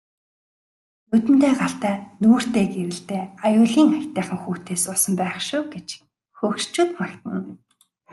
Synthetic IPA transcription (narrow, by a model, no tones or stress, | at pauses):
nɵt̪ɘ̆nt̪eːɢaɬt̪æːnuːr̥t̪eːɡeɾɘ̆ɮt̪eːajʊːɮiːŋakʲt̪æːχə̆ŋxuːt̪eːsʊsə̆mpæːχʃʊːɡet͡ɕ | xɵːxʃt͡ɕuːt̪makt̪ə̆n